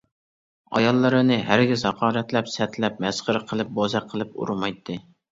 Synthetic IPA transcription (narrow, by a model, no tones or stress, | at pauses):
ɑ̰jɑlˠːɨɾɨnɨɦæɾɡʲɪzhɑqʰɑːɾɛt̪lɛpsɛt̪lɛp̚mɛsχəɾqʰəlˠɨp̚bozæqʰəlˠɨp̚ṵɾmɑjt̪ʰːɨ